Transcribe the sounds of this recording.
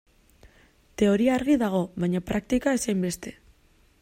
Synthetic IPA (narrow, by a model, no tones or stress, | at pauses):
t̪e̞o̞ɾiaːɾɣiðaɣ̞o̞βajɲapɾak̚t̪ikae̞sajmbe̞st̪e̞̥